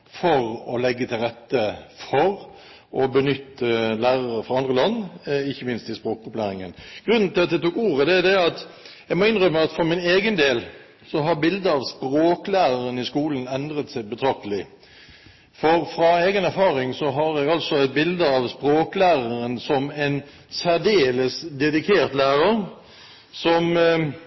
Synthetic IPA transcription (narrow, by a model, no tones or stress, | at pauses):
fɔʁɔlɛɡːət̪ʰɪlɾʁɛt̪ːəfɔɾ | ʔɔbənʏt̪ːəlæːɾəʁəfɾɑɑnd̪ʁəlɑnːɪçːəmɪnst̪ɪspɾoːkʊplæːɾɪŋənɡ̥ʁʉnːn̩t̪ɪlɑt̪̚d̪ɛt̪uːkuːʁəd̪ɛæd̪ɛɑt̪jɛɡmɔɪnʁœmːəɑt̪fɔɾmɪneːɡənd̪eːl | sɔɦɑɾbɪld̪əɑʋspɾoːklæːʁəʁənɪskuːlən̩ɛnd̪ɾət̪sæɪbət̪ʰɾɑk̚t̪əlɪ | fɔʁfɾɑeːɡənæɾfɑːʁɪŋsɔɦɑɾɛɡɑlsɔɛɪt̪̚bɪld̪əɑʋspɾoːklæːʁəɾənsɔmɛn | sæʁd̪eːləsd̪ɛd̪ɪkʰeːʁt̪læːʁəɾ | sɔm